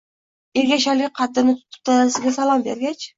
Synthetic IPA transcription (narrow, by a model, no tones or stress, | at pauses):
eɾɡʲaʃalɪqʰɑd̪ːɪnɪt̪ʰʊ̥p̚t̪ʰaasɪɡʲasalˠɒmbe̞̰ɾɡʲat͡ʃ